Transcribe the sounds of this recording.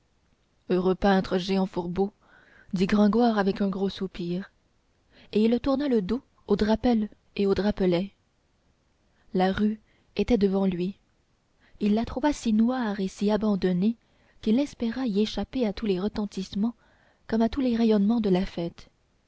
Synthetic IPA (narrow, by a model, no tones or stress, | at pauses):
øʁøpɛ̃t̪χəʒeɑ̃fuʁbo | d̪iɡʁɑ̃ɡwaːʁavɛkɛ̃ɡʁosupiːʁ | eilːt̪uʁnaləd̪o | od̪ʁapɛl | eod̪ʁapɔlɛ | laʁy | et̪ɛd̪əvɑ̃lɥi | ilːat̪χuvasinwaːʁesiabɑ̃d̪ɔne | kʲilɛspeʁaieʃapeat̪uleʁət̪ɑ̃t̪ismɑ̃ | kɔmat̪uleʁɛjɔnmɑ̃d̪əlafɛːt̪